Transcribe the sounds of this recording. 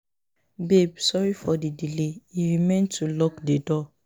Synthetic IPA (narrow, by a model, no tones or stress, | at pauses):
bebsɔɹifɔdidileiɹimẽntʰulɔkdedɔ